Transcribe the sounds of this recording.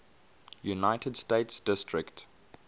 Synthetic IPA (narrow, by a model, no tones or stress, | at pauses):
junaɪtʰədsteɪtsd̥ɪstɹɪkt